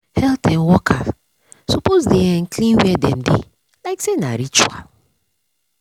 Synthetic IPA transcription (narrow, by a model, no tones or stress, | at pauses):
hɛltɛnwɔkʰa | sopozdejɛŋ̩klĩnwɛdɛ̃m̩dḭ | laɪksenaɾit͡ʃua̰l